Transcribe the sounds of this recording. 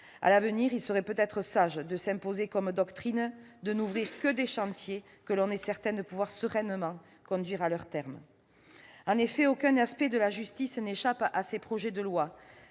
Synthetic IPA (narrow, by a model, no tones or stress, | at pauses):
a̰lavəniʁilsəʁɛpøt̪ɛt̪χəsaʒd̪əsɛ̃pozekɔmd̪ɔkt̪χin | d̪ənuvʁiʁkəd̪eʃɑ̃t̪je | kəlɔ̃nɛsɛʁt̪ɛ̃d̪əpuvwaʁsəʁɛnmɑ̃ | kɔ̃d̪ɥiʁalœʁt̪ɛʁm | ɑ̃nefɛokɛ̃naspɛd̪əlaʒyst̪isneʃapasepχɔʒɛd̪əlwa